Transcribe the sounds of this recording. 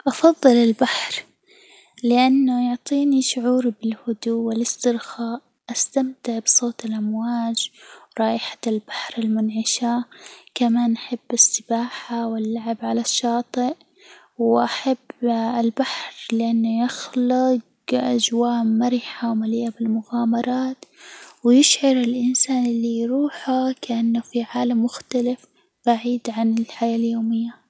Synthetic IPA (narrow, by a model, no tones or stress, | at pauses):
ʔɑfɑðˤːɨlɪlbaħɾ | lɪʔanːʊjʊʕt̪ˤiːniʃʊʕuːɾbɪlhʊd̪uːɪlɪst̪ɪɾxaːʔ | ʔast̪amt̪ɪʕbsˤoːt̪ɪlʔamwaːd͡ʒɾˤɑːʔɪħḁlb̥aħɾɪlmʊnʕɪʃaːkamaːnʔaħabːɪsːɪbaːħawɪlːaʕabʕalaʃːɑːt̪ˤɪʔ | wʔaħabːɪlbaħɾlɪʔanːajɪxlʊɡ | ʔad͡ʒwaːʔmaɾɪħawmaliːʔːabɪlmʊɣaːmɑɾˤɑːt̪wjɪʃʕɑɾˤɪlʔɪnsaːnɪlːijɾuːħakaʔanːafiʕaːlamːʊxt̪alɪf | b̥aʕiːd̪ʕanɪlħajaːljoːmɪjːa